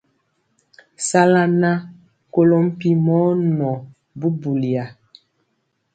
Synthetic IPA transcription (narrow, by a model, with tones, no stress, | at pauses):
sa˦la˦na˦˨ | ko˦lo˦m̩˦pi˦mɔ˦nɔ˨ | bu˦bu˨li˨a˨